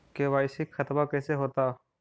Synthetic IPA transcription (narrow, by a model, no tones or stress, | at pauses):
keʋaːɪsɪkxɐt̪makɛːseɦoːt̪aː